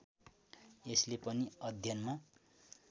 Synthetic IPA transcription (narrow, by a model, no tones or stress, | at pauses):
eslepʌniʌd̪ʱjʌnma